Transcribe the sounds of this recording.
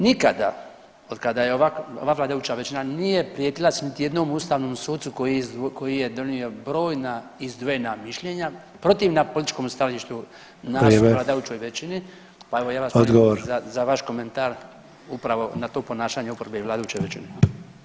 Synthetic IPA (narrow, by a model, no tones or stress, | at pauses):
nikad̪a̰ | o̞d̪kad̪ajeoʋakoʋaːʋlaːd̪ajut͡ʃaʋet͡ʃinanijepɾijet̪ilˠasenit̪ije̞d̪nomuːst̪aːʋnomsuːd̪sukojizko̞jijed̪o̞niobɾo̞ːjnaizd̪ʋojnamiʃʎeɲa | pɾo̞t̪iʋnapolit̪it͡ʃko̞mst̪aoliʃt̪u | naeʋlaːd̪ajut͡ʃo̞jʋet͡ʃini | paeʋo̞jaːʋasod̪ɡoʋoɾzazaʋaʃko̞ment̪aːɾ | upɾaʋo̞nat̪o̞ːpo̞naːʃaɲeupɾbeiʋlaːd̪ajuːt͡ʃo̞jʋet͡ʃḭni